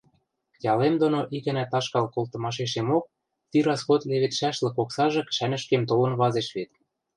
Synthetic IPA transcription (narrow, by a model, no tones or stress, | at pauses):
jɑlemd̪onoʔikɘ̆næt̪ɑʃkɑlkolˠt̪ɤ̆mɑʃ̬eʃ̬emok̚ | t̪iɾɑsxot̪leβĕt̪ʃæʃlɤ̆koksɑʒɤ̆kʃænɘ̆ʃkemt̪̬olɤ̆nβɑzeʃβet̪